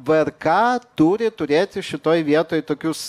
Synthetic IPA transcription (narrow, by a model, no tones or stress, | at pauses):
ʋɐrkɑːt̪uːɾʲɪt̪ʊɾʲeːt̪ʲɪʃʲɪt̪oːjʋʲiɛt̪oːjt̪oːkʲuːs